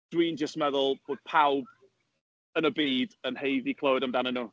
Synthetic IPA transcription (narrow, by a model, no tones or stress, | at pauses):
d̥wiːnd͡ʒəstmɛðʊlˠb̥oːd̥̚pʰawb | ənəbiːdənhejðikʰlˠowdəmdanənu